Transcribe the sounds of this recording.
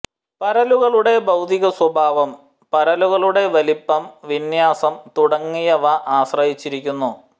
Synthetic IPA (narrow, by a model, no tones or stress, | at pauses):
pɐɾɐluɣɐɭuɽe̞bɐwd̪iɣɐswɐbʱaːʋɐm | pɐɾɐluɣɐɭuɽe̞ʋɐlipːɐmʋinjaːsɐmt̪uɽɐŋːijɐʋɐʔaːɕrɐɦit͡ɕːiɾikʲːunːu